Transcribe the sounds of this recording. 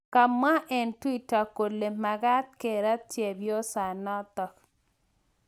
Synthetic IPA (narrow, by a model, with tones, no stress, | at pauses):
ka˨mːa˦ʔɛ˨ntwi˦ta˨ko˨lːe˨ma˨ɡa˦t̪̚ke˨ɾa˦tje˨bjɔ˦sa˨nɔ˦t̪ɔ˨k